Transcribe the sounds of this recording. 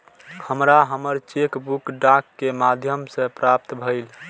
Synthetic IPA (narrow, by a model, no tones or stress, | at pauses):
həmɾaɦəməɾt͡ʃekbukɖakːemad̪ʱjəmsẽpɾap̚t̪bʱəɪl